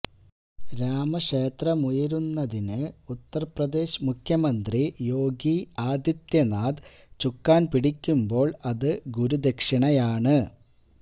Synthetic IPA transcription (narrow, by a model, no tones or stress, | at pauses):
ɾaːmɐʂeːt̪rɐmujɐɾunːɐðinɨut̪ːɐrɐprɐd̪e̞ːɕmukʰjɐmɐnd̪rijo̞ːɡiaːd̪jɐt̪jɐnaːd̪ | t͡ɕukːaːnpiɽikʲːumbo̞ːɭɐðɨɡuɾud̪ekʂɐɳɐjaːɳɨ